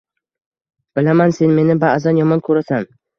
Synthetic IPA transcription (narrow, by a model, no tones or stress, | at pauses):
b̥ɪlamanse̞nme̞nɪbaːzanjɒmɒnkʰɵɾasan